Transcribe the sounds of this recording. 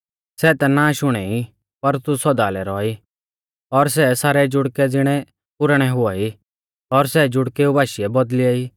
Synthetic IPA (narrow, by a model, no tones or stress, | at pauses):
sɛːt̪ɛnaʃʊɽ̃ɛi | pɐɾt̪usɔd̪aːlɛɾɔːi | ɔɾs̬ɛsaːɾɛd͡ʒʊɽkɛd͡zɪɽ̃ɛ | pʊɾɽ̃ɛɦʊai | ɔɾsɛd͡ʒʊɽkeubʱaːʃɪɛbɔd̪lɪɛi